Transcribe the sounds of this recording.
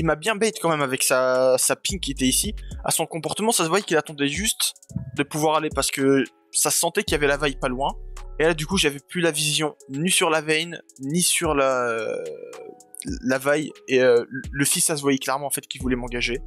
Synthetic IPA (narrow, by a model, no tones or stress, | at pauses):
ilmabjɛ̃bɛjt̪kɑ̃mɛmavɛksasapinkʲiet̪ɛisia̰sɔ̃kɔ̃pɔʁt̪əmɑ̃sasəvwajɛkʲilat̪ɑ̃d̪ɛʒyst̪d̪əpuvwaʁalepaʁsə̥kə | sasɑ̃t̪ɛkʲiljavɛlavajpalwɛ̃elad̪ykuʒavɛplylavizjɔ̃nisyʁlavɛjnnisyʁla | lavajeøləfisːas̬əvwajɛklɛʁmɑ̃ːfɛt̪kʲilvulɛmɑ̃ɡaʒe